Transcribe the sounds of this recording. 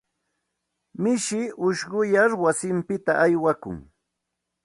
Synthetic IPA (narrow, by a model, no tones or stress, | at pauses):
mɪʃɪʊʃɢʊjaɾwasɪmpɪt̪aʔajwakʊ̰ŋ